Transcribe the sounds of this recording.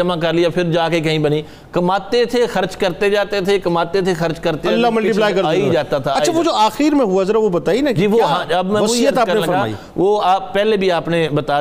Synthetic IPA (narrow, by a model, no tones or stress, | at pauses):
əmãk̬ɐɾlɪjapʰɪɾd͡ʒaːkekɐɦĩbəniː | kɐmaːt̪et̪ʰexəɾt͡ʃkɐɾt̪ed͡ʒaːt̪et̪ʰekɐmaːt̪et̪ʰexɐɾt͡ʃkəɾt̪ealːamʊliplaːjkɐəɾaːid͡ʒaːt̪at̪ʰaɐt͡ʃʰːaʋod͡ʒoːaːxiːɾmẽɦʊazəɾaʋobət̪aːinad͡ʒiːʋoɦãɐbmɛ̃ːosiəaːkəɾneãfəɾamːa̰ːḭ | ʋoːaːppɛːlebʱiaːpnebɐt̪aː